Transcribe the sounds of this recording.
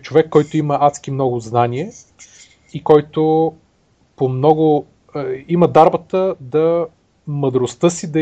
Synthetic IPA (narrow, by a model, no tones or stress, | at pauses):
t͡ʃovɛkːɔjt̪ʊimɐʔat̪skimnɔɡʊznanʲiɛ | ikɔjt̪o | pomnɔɡʊ | iməd̪aɾbət̪əd̪ɐ | məd̪ɾost̪ɤsid̪ɐ